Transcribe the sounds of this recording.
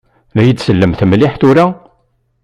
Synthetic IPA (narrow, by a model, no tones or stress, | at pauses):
læjəd̪səlːəmt̪mliħt̪uɾæ